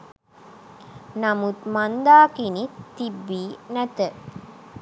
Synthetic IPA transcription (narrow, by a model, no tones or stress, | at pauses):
namut̪mand̪aːkinitːibːiːnæt̪ə